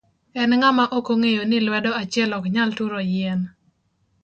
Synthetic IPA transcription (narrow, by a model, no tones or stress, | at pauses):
ɛnŋamaʔokoŋejonɪlwɛdɔat͡ʃjɛlɔkɲaltuɾojɛn